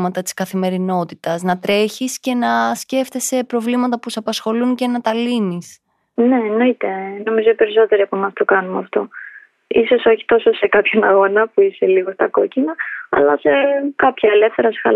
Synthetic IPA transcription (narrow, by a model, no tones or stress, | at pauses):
mɐt̪ɐt̪i̥skɐθime̞ɾino̞t̪it̪ɐznɐt̪ɾe̞çisce̞nɐsce̞ft̪esepɾo̞vlimɐt̪ɐpusɐpɐsxo̞lunce̞nɐt̪ɐlinis | ne̞ːno̞it̪e̞no̞mizoipe̞ɾiso̞t̪e̞ɾiɐpumɐst̪okɐnumɐft̪o̞ | iso̞so̞çi̥t̪o̞sose̞kɐpçonɐɣo̞nɐpuise̞liɣo̞st̪ɐko̞cinɐɐ̰lɐse̞kɐpçɐele̞fθe̞ɾɐsxɐl